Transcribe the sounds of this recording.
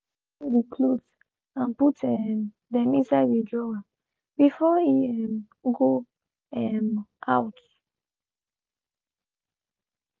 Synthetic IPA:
ɹikʰlut | ãnputɛm | dɛ̃mĩnsaɪdedɹɔa | b̥ifɔiɛm | ɡo | ɛmʔaʊt

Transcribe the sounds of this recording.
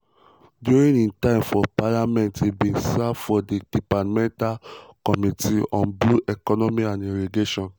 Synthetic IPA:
djuɹĩnĩntãɪ̃mfɔpalamɛ̃ntebĩnsafɔded̥ipatmɛ̃ntalkɔmitiɔ̃nbluʔɛkɔnɔmiãnĩɾiɡeʃɔ̃n

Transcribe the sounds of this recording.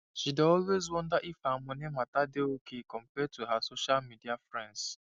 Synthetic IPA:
ʃideɔlwezwɔ̃ndaʔifamɔnematadeokekɔ̃mpɛtʰuɦasoʃalmidiafɹɛ̃nds

